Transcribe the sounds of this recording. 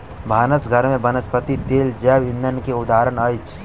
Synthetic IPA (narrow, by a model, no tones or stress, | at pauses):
bʱaːnəsɡʱəɾmẽbɐnəspət̪it̪eːld͡ʒɛːʋɪ̃nd̪ənkeʊd̪aːɾəɳəjt͡ʃ